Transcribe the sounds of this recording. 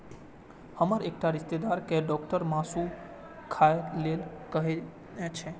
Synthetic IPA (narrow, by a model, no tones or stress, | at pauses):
həməɾek̚ʈaɾist̪ed̪aɾkeɖɔk̚ʈəɾmãsũ | kʰajlelkəɦe | at͡ʃʰe